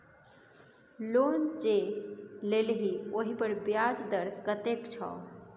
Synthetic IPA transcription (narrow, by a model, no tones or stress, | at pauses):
lont͡ʃelelɦioɦipəɾbjad͡zd̪əɾkət̪ekt͡ʃʰa̰